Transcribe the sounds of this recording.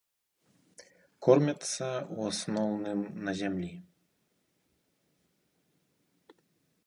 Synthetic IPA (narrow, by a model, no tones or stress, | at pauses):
kɔrmʲat̪sːɐuasnɔwnɨmnɐzʲamlʲi